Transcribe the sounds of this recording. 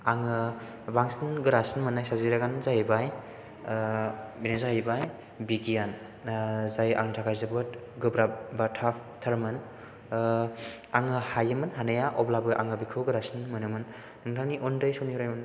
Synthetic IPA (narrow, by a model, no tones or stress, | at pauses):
aŋɯ | baŋsinɡɯɾasnmɯnajsawziɾaɡanzajbaj | binɯzajbaj | biɡijan | zaja̰ŋtʰakʰajzɯbɯt | ɡɯbɾabatʰapʰtʰaɾmɯn | aŋɯhajɯmɯnɦanajaʔɔblabɯʔa̰ŋɯbikʰɯwɡɯɾasnmɯnɯmɯnː | ɯŋtʰaniʔɔndɯjsoniuɾajmɯn